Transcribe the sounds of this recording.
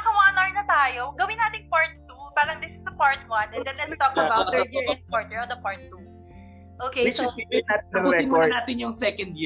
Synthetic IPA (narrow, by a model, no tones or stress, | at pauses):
ɐkɐwaːnɐɹnɐt̪aːjoɡɐwɪ̃naːt̪ɪŋpaɹt̪̚ːupaːɾɐŋd̪ɪsɪsd̪ɐpaɹt̪̚wɐ̃nʔɛ̃nd̪ɛ̃nlɛnst̪ɔkɐbawt̪̚pɔɹt̪̚nɛɹɐvd̪ɐpaɹt̪̚ːu | ʔoːkewɪt͡ʃɪɛnat̪ːɾsɛɪmɔɹnaːt̪ɪnjʊŋsɛkɐ̃nd̪ji